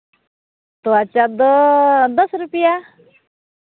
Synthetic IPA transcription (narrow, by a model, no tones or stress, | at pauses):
t̪oat͡ʃad̪d̪əsɾupija